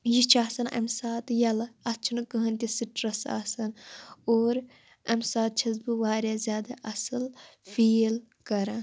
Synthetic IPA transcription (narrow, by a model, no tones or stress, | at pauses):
jit͡ʃʰaːsɐnɐ̰msaːt̪jɐlɐɐt͡ʃʰunɨkəɦɐnt̪ʲisɨʈɾɐsa̰ːsɐnoːɾ | ɐmsaːt̪̚t͡ʃʰɐzbɨʋaːɾjaːzʲjaːd̪aʔɐsɨlfiːl | kɐɾaː